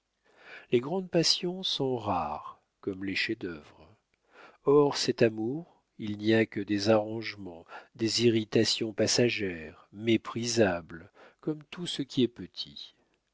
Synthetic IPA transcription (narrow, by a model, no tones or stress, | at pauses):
leɡʁɑ̃d̪pasjɔ̃sɔ̃ʁaʁ | kɔmleʃɛd̪œvʁ | ɔʁsɛt̪amuʁ | ilniakəd̪ezaʁɑ̃ʒmɑ̃d̪eziʁit̪asjɔ̃pasaʒɛʁmepχizablkɔmt̪usəkʲʰiɛpət̪ʰi